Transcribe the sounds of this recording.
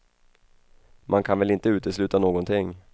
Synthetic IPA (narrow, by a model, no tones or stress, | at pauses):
mʔankʰanvɛlɪnt̪əʉ̟ːt̪əslʉ̟ːt̪anoːɡɔnt̪ʰɪŋ